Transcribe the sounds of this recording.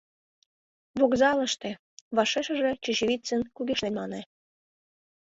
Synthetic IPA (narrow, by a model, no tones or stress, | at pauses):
βoɣzɑlə̆ʃt̪ĕ | βɑʃeʃə̆ʒĕt͡ɕə̆ɕeβʲit͡sənkuɡeʃlenʲmɑnĕ